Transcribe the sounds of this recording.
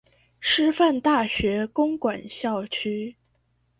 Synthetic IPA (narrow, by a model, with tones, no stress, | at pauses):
ʂɻ̩˥fa˥˧nt̪a˥˩ɕɥɛ˧˥kʊ˥ŋkwa˨˩nɕjɑ˥˩ʊt͡ɕʰy˥